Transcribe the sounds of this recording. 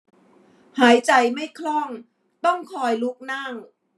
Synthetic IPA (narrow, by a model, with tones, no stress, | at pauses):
haː˩˦jt͡ɕa˨˩jma˥˩jkʰlɔ˥˩ŋ | t̪ɔ˥˩ŋkʰɔː˧jlu˦˥k̚naː˥˩ŋ